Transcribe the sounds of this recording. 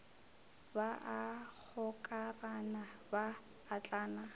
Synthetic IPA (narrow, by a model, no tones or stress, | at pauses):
baʔak͡xʊkʼaranabaː | t͡ɬʼaːna